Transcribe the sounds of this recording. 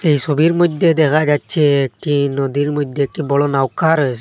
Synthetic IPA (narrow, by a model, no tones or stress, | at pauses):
ejsobiɾmɔjd̪ʱːed̪ɛkʰad͡ʒatːt͡ʃʰɛek̚ʈinɔd̪iɾmɔjd̪ʱeːk̚ʈibɔɭɔnawkaɾɔs